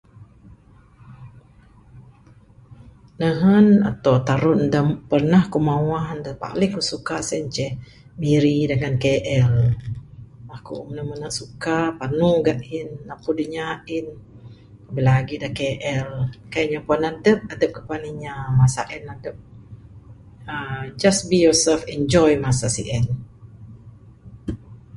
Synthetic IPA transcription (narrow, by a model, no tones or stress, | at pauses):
nəɦəna̰t̪awt̪aɾʊnndapərnahkumawahndahpa̰lɪŋkusukasɛɲt͡ʃɛh | miɾidəŋankeʔɛl | makṵʔmənəhmənaʔsukapanuɡaʔinːapudiɲaʔɪn | abəlaɡidahkeʔɛlkajaʔɲapuanadəp̚adəp̚kə̥paliɲamasa̰ʔɛnadəp̚ | əd͡ʒasbijɔsɛlfɛnd͡ʒɔjmasasḭʔɛn